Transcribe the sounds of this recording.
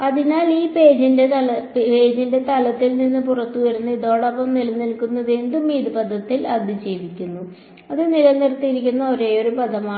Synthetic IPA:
ɐðinaːliːpe̞ːd͡ʑinde̞ɐlppe̞ːd͡ʑinde̞t̪ɐlɐt̪ːilninːɨpurɐt̪ːuʋɐɾunːuiðo̞ːɽɐpːɐmnilɐnːilkunːɐðend̪umːiːd̪ibɐd̪ʱːɐt̪ːilɐd̪ʱit͡ɕejʋikʲːunːu | ɐðɨnilɐnːirt̪ːijiɾikʲːunːɐo̞ɾe̞ːoɾubɐd̪ɐmaː

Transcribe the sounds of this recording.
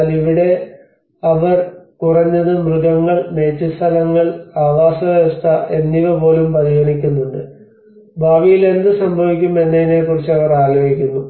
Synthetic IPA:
liʋiɽe̞ | ɐʋɐrkurɐɲːɐðɨmrɨɡɐŋːɐɭme̞ːt͡ɕːɨst̪ʰɐlɐŋːɐɭaːʋaːsɐʋjɐst̪ʰɐʔe̞nːiʋɐpo̞ːlumpɐðiɦɐɳikʲːunːuɳɖɨ | bʱaːʋijile̞nd̪ɨsɐmbʱɐʋikʲːume̞nːeinekurit͡ɕːɐʋɐraːloːɦikʲːunːu

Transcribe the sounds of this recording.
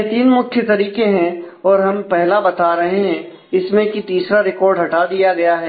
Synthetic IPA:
t̪iːnmʊkʰjet̪ɐɾiːkeɦɛ̃ | ɔːɾɦɐmpɛɦlabɐt̪aɾɐɦeɦɛ̃ | ɪsmẽkit̪iːsɾaɾɪkɔːɾɖɦɐʈad̪ijaɡɐjaɦɛː

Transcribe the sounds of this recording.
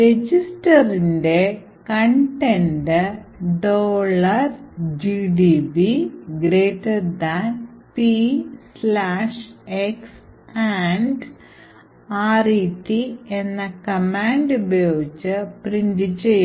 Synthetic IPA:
ɾed͡ʑisʈɐrinde̞ | kɐɳʈenɖɨɖoːɭɐrd͡ʑiɖibiɡɾeːʈːeɖd̪anpislaːʂeksaɳɖ | aːriʈːienːɐkɐmaːɳɖubɐjoːɡit͡ɕːɨprind̪it͡ɕːej

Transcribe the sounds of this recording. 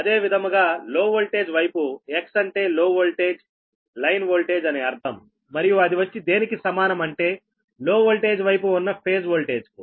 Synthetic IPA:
ɐd̪e̞ːʋid̪ʱɐmɡaːlo̞ːʋolʈe̞ːd͡ʒʋɐjpueksɐɳʈe̞ːloːʋolʈe̞ːd͡ʒ | lɐjnʋoːlʈe̞ːd͡ʒɐneːɐɾt̪ʰɐmː | ɐɾijuɐd̪iʋɐt͡ʃːid̪e̞ːnikisɐmaːnɐmɐɳʈe̞ː | lo̞ːʋolʈe̞ːd͡ʒʋɐjpuunːɐpʰe̞ːd͡ʒʋoːlʈe̞ːd͡ʒku

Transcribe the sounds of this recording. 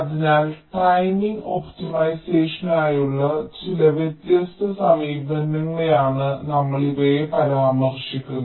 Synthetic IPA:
ɐðinaːlʈɐjniŋɡoptimɐjseːʂɐnaːjuɭːɐt͡ɕilɐʋjet̪jɐst̪ʰɐsɐmiːbɐnːɐŋːɐɭejaːɳɨnɐmːɐɭibojepɐɾaːmɐrʂikʲːunː

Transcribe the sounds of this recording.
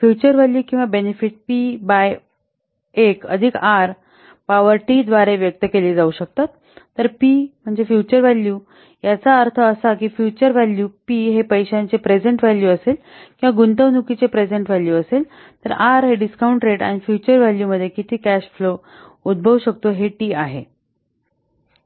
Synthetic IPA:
fjut͡ɕəɾʋɛljuːkĩw̃ʋabenefiʈ̚pibaj | ekə̰d̪ʱikaɾ | paʋəɾʈiːd̪ʋaɾeʋjək̚t̪əkeliːd͡zauɕək̚t̪at̪ː | əɾpim̤əɳd͡zefjut͡ɕəɾʋælju | jat͡saəɾt̪ʰəːsakiːfjut͡ɕəɾʋɛljupiːɦepəjɕant͡sepɾed͡zeɳʈʋɛljuəsel | kĩwʋaɡunt̪əʋnukit͡sepɾed͡zeɳʈʋɛljuəsel | t̪əɾaɾɦeɖiskauɳʈɾeʈa̰ɽ̃ifjut͡ɕəɾʋæljuməd̪ʱːjekit̪ʰiːkæɕflo | ud̪̚bʱəʋɕək̚t̪oɦeʈiːaɦe

